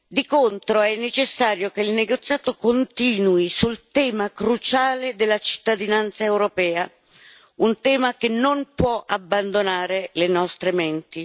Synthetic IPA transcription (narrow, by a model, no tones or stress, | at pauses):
d̪ikont̪ɾoɛnːet͡ʃɪsːaːɾjokeilneɡot̪sjaːt̪okont̪iːnwisult̪ɛːmakɾut͡ʃaːled̪elːat͡ʃi̥t̪ːad̪inant̪saɛwɾopɛːa | unt̪ɛːmakenːonpwɔʔabːand̪onaːɾelenɔst̪ɾement̪i